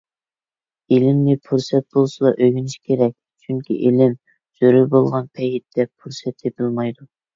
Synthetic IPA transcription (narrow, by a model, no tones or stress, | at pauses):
elɪmnɪpʰuɾsɛt̪̚bolˠsɨlˠɑʔøɡʲynɪʃkʲʰeɾɛk̚ʲ | t͡ʃʰyŋkʲʰḭʔelɪm | z̥øɾybolˠʁɑnpʰɛjit̪̚d̪̥ɛpʰuɾsɛt̪epʰɪlmɑjd̪u